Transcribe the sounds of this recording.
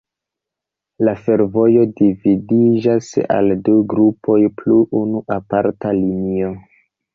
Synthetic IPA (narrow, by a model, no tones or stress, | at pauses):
lafe̞ɾvo̞jo̞dividid͡ʒasa̰lduɡɾupʰo̞jpluʔunuʔapaɾtalinio̞